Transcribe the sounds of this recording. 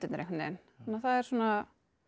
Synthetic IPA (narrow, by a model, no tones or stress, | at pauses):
t̪ɪt̪nɾɛknḛn | anːaθaðɛɾsuːna